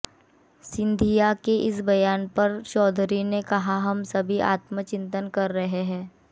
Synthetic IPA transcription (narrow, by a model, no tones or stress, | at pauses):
sɪ̃nd̪ʱijakeʔɪs̬bɐjaːnpɐɾʃɔːd̪ʱɾinekɐɦaɦɐmsɐbʱiʔa̰ːt̪mət͡ʃɪ̃nt̪ənkɐɾːɐɦeɦɛ̃ː